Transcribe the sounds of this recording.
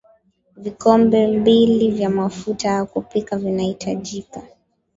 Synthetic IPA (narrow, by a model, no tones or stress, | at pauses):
vikɔmbɛmbilivjamafutajakupikavinahitʰaʄika